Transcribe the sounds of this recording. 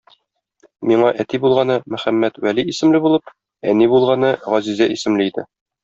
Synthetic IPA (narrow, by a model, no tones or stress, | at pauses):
miɴɑʔæt̪ibulˠʁɑnɤmæ̆χæmːæt̪wæliːsɘ̆mlɘbulˠɤp | ænibulˠʁɑnɤʁɒzizæʔisɘ̆mlɘid̪ɘ̰